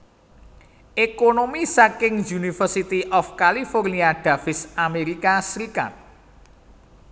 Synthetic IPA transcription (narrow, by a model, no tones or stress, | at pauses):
ʔekonomisakɪŋjunifərsit̪iʔɔfkaliforniaɖ̪̥a̤fɪsameɾikasɾika̰t̪̚